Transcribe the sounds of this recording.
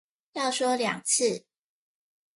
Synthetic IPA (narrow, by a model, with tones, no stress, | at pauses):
jɑ˥˨ʊʂwɔ˥ljɑ̰˨˩ŋt͡s̩ʰ˥˨